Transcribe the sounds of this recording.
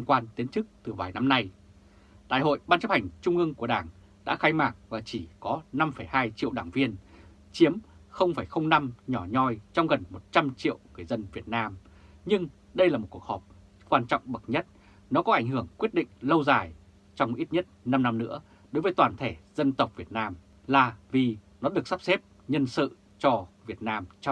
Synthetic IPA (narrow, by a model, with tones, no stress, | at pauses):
ŋkwaː˧nt̪i˨˦ənt͡ɕɨ˦˥k̚t̪ɨ˨˩vaː˨˩jna˧mna˧j | ɗa̰ː˧˨jɦo̰˧˨jɓaː˧nt͡ɕə˦˥p̚ha˨˩jŋ̟t͡ɕʊ˧ŋ͡mʔɨ˧əŋku˧˩əɗaː˧˩ŋ | ɗa̰ː˧˥xaː˧jmaː˧˩ŋ̚vaː˨˩t͡ɕi˧˩kɔ˨˦na˧mfə˧˩jhaː˧jt͡ɕḭ˧˨əwɗaː˧˩ŋvi˧ən | t͡ɕi˨˦əmxə˧wŋ͡mfaː˧˩jxə˧wŋ͡mna˧mɲɔ˧˩ɲɔ˧jt͡ɕɔ˧wŋ͡mɣə˨˩nmo˨˩t̚t͡ɕa˧mt͡ɕḭ˧˨əwŋɨ˨˩əjzə˧nvi˨˩ət̚naː˧m | ɲɨ˧ŋ | ɗə˧jlaː˨˩o˨˩t̚ku˨˩əhɔ˨˩p̚ | kwaː˧nt͡ɕɔ̰˧˨wŋ͡mɓə˨˩k̚ɲə˦˥t̚ | nɔ˨˦kɔ˨˦ʔa˧˩ŋ̟ɦɨ˧˩əŋkwi˦˥ət̚ɗḭ̈˧˨ŋ̟lə˧wzaː˨˩j | t͡ɕɔ˧wŋ͡mʔi˦˥t̚ɲə˦˥t̚na˧mna˧mnɨ̰˧˥ə | ɗo˨˦jvəː˨˦jt̪waː˨˩nt̪ʰe˧˩z̥ə˧nt̪ə˨˩wk͡p̚vi˨˩ət̚naː˧m | laː˨˩vi˨˩nɔ˨˦ɗɨ˨˩ək̚sa˦˥p̚se˦˥p̚ | ɲə˧nsɨ̰˧˨ | t͡ɕɔ˧vi˨˩ət̚naː˧mt͡ɕ